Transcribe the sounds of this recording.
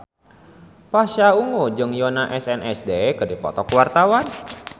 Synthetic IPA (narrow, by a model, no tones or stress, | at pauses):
paʃauŋod͡ʒɨŋjɔnaʔɛsɛnʔɛsdekədipɔ̰t̪ɔkwart̪awan